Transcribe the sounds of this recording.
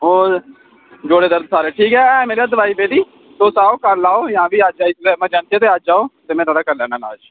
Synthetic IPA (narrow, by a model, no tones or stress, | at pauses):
oː | d͡ʒoːɽeːd̪əɾd̪̚saːɾeːʈʰiːkɦɛːɛːmeːɾiaːd̪əʋaːiːpeːɖiː | soːsaːoːkəɾlaːoːjãːʋiːad͡ʒaːit̪ɛːmãːd͡ʒaːɳt̪ieːt̪eːad͡ʒaːoːt̪eːmɛ̃ːnaːɽaːkəɾlɛ̃ːnaːna̰ːʃ